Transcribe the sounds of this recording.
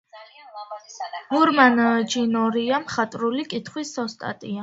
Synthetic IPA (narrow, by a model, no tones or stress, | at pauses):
muɾmanəd͡ʒinɔɾiamχat̪ʼɾulikʼit̪ʰχwisɔst̪ʼa̰t̪ʼia